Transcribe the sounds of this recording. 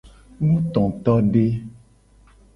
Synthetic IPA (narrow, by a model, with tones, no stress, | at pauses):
nũ˦t̪ɔ̃˨t̪ɔ˦ɖe˦